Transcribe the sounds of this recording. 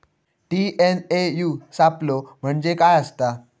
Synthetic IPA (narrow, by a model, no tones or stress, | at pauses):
ʈienejusaplom̤əɳd͡ʑekajəst̪a